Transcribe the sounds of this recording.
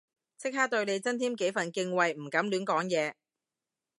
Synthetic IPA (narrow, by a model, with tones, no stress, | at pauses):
t͡sʰɪ˥k̚haː˥k̚t̪ɵ˧ɥne˨˧jt͡sɐ˥nt̪ʰiː˥mke˨˥jfɐ˨nkɪ˧ŋwɐ˨jm̩˨˩kɐ˨˥mlyː˨˥nkɔː˨˥ŋjɛː˨˧